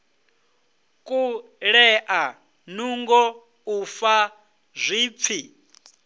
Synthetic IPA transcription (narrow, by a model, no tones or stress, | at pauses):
kʼu | ɺɛʔa | nuŋɡɔ | ufa | zʷiːp̪fʰi